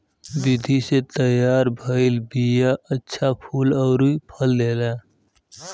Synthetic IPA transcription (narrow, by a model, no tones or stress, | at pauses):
bid̪ʱiset̪əjaːɾbʱəɪlbijaʔətːʃʰapʰuːləʊɾuipʰəld̪ela